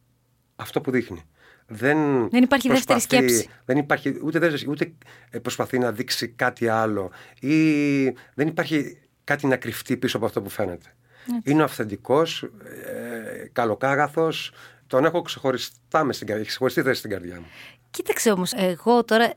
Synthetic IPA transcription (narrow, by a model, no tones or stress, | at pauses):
ɐft̪o̞puðixni | ðenenipɐɾçiðesft̪eɾisθesðenipɐɾçiut̪eðeft̪esut̪e̞ | pɾo̞spɐθinɐðiksikɐt̪iɐlo̞i | ðenipɐɾçi | kɐt̪inɐkɾift̪ipisoɐpoɐft̪o̞pufe̞ne̞t̪e̥ | ineoɐfθe̞nd̪iko̞s | kɐlo̞kɐɣɐθo̞s | t̪o̞ne̞xo̞kse̞xo̞ɾist̪ɐmest̪iɡɐekse̞xoist̪iθest̪iɡɐɾðʝɐ̰mu | cit̪ɐkseomoseɣo̞t̪o̞ɾɐ